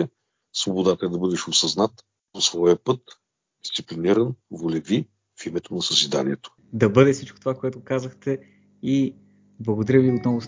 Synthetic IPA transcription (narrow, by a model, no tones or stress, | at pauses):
ɛ | svobod̪at̪əɛd̪ɐbɤd̪ɛʃosɐznat̪ | posvɔjəpɤt̪ | d̪i̥st̪sipliniɾənvolɛvi | fimɛt̪onɐsəzid̪a̰nʲiɛt̪o̥ | d̪ɐbɤd̪ɛsit͡ʃko̥t̪ovakoɛt̪ʊkazəxt̪ɛ | i | blˠɐɡod̪ɐɾʲəviot̪nɔvʊs